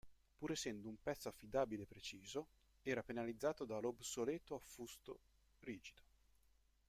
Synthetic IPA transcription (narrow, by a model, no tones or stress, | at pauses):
puːɾesɛnd̪oumpɛt̪sːoafːid̪aːbilepːɾet͡ʃiːzo | ɛːɾapenalid̪zːaːt̪od̪alobsolɛːt̪oafːust̪o̰ | riːd͡ʒid̪̥o̥